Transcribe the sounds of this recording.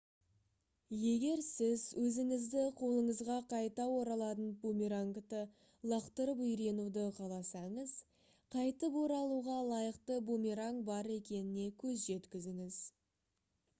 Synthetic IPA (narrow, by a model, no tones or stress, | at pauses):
je̞ɡʲe̞ɾsɪzwɵzɪŋɪzd̪ɪqʰo̞lˠəɴəzʁɑqʰɑjt̪ɑwo̞ɾɑlˠɑt̪ənbumiɾaŋkt̪ə | lˠəqt̪əɾəpʏjɾe̞nud̪əqʰɑlˠɑsɑɴəz | qʰɑjt̪əpwo̞ɾɑlˠuʁɑlˠɑjəqt̪əbumʲiɾaŋbɑɾe̞kʲe̞nɪne̞kʲʰɵzʒe̞t̪kʲɪzɪŋɪz